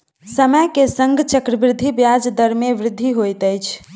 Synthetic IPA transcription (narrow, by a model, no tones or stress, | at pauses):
səməjkesəŋɡt͡ʃəkɾəbɾɪd̪ʱːibjad͡ʒd̪əɾmeʋɾɪd̪ʱːiɦojt̪əjt͡ʃʰ